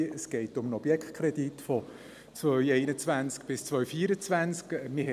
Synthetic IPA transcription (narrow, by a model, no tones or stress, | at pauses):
əsɡ̥ɛɪtʊmənɔb̥jɛkt̚kʰɾɛditfɔ | t͡svœʏɛɪnət͡svænt͡skb̥ɪst͡svœʏfiːəɾət͡svænt͡skmɪ